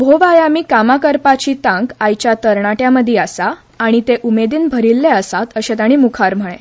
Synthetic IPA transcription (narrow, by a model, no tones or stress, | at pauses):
bʱoʋajamiːkamakəɾpat͡ɕiːt̪ãŋkajt͡ɕjat̪əɾɳaʈjaməd̪ʱjeasaː | ɽ̃it̪eʔumed̪iːnbʱəɾilːeəsat̪əɕẽt̪aɽ̃imukʰaɾm̤əɽ̃e